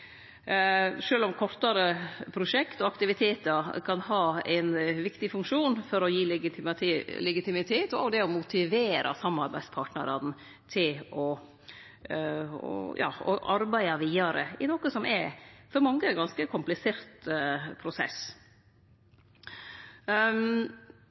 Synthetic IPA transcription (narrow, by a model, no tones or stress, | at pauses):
ʂøːlɔmkʰɔɾt̪ɑɾəpʰɾʊʂɛkt̪ɔɑkt̪ɪʋɪt̪ʰeːt̪əɾkʰɑnhɑːæ̰ɪnʋɪkt̪ɪfʉŋkʂuːnfɔɾɔjiːl | lɛɡɪt̪ɪmɪt̪ʰeːt̪ɔɔ̰d̪ɛɔmʊt̪ɪʋeːɾʔɑ̰sɑmːɑɾbæɪd̪spʰɑːʈnəɾɑn | t̪ʰɪlɔ | ɔ̰jɑ̰ːɔ̰ʔɑɾbæɪɑʋiːɑɾə̰ɪnɔkəsɔmʔɛfɔɾmɑŋːəɡɑnskəkʰʊmplɪseːɾt̪pʰɾʊsɛ̰s